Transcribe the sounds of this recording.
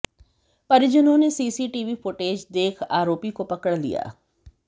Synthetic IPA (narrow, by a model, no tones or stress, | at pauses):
pɐɾd͡ʒɪnõnesiːsiːʈiʋifoːʈeːd͡ʒd̪eːkʰaːɾoːpikopɐkəɽlḭja̰ː